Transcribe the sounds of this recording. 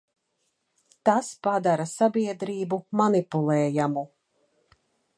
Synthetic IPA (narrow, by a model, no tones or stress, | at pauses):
t̪aspad̪aɾasabʲiɛd̪ɾiːbumanipulˠɛːjamu